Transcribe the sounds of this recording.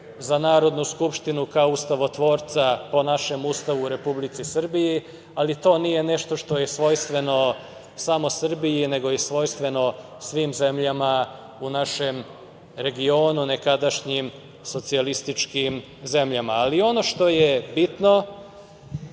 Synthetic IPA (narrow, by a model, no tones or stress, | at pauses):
zanaːɾo̞d̪nuskupʃt̪inukaoust̪aʋo̞t̪ʋo̞ːɾt̪sapo̞naʃe̞must̪aʋuːɾe̞publit̪sisr̩biji | alit̪o̞ːnije̞ne̞ʃt̪o̞ʃt̪o̞jesʋo̞jst̪ʋe̞no̞ | samo̞sr̩bijine̞ɡo̞jesʋo̞jst̪ʋe̞no̞ | sʋiːmze̞mʎama | unaʃem | ɾe̞ɡio̞ːnune̞kad̪aʃɲim | so̞t̪sialist̪it͡ʃkim | ze̞mʎamaːlio̞no̞ʃt̪o̞jebit̪no̞